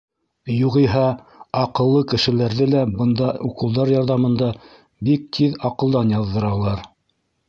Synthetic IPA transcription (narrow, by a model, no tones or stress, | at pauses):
juʁiɦæ | ɑqɤ̆lˠːɤkɘ̆ʃɘ̆læɾðɘlæbɤ̆nd̪ɑuqɤ̆lˠd̪ɑɾjɑɾðɑmɤ̆nd̪ɑ | bik̚t̪ʰiðɑqɤ̆lˠd̪ɑnjɑðːɤ̆ɾɑlˠɑɾ